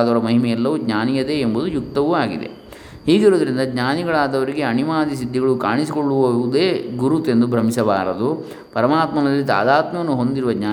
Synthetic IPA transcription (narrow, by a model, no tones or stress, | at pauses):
d̪ɐʋɐɾɐmɐɦimɛjɛlːɐʋuɡɲaːnijɐd̪e̞ːmbud̪ujuk̚t̪ɐʋuaːɡḭd̪e̞̰ | ɦiːɡiɾod̪ɐɾind̪ɐɡɲaːniɡɐɭaːd̪ɐʋɐɾiɡe̞ɐnimaːd̪isid̪ʱːiɡɐɭukaːɳisiko̞ɭːuʋɐud̪e̞ːɡuɾut̪e̞nd̪ubʱɾɐmisɐba̰ːɾɐd̪u | pɐɾɐmaːt̪mɐnɐlːit̪a̰ːd̪aːt̪mɐʋɐnːuɦo̞nd̪iɾuʋɐɡɲaː